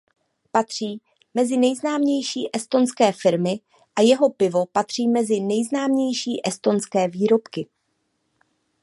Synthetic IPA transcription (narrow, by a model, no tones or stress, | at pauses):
pat̪r̝̥iː | mɛzɪnɛjznaːmɲɛjʃiːʔɛst̪o̞nskɛːfɪɾmɪ | ʔajɛɦo̞pɪvo̞pat̪r̝̥iːmɛzɪnɛjznaːmɲɛjʃiːʔɛst̪o̞nskɛːviːɾo̞pkɪ